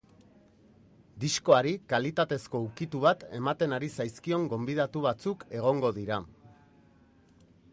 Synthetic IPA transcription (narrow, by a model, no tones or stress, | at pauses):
d̪isko̞aɾikalit̪at̪e̞sko̞ukit̪uβ̞at̪e̞mat̪e̞naɾisajskio̞ŋɡo̞mbiðat̪uβ̞at͡suke̞ɣ̞o̞ŋɡo̞ðiɾa